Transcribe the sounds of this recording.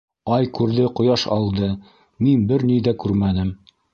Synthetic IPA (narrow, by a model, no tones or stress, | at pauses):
ɑjkʉɾðɘqŏjɑʃɑ̰lˠd̪ɤ | minbɘɾniðækʉɾmænɘm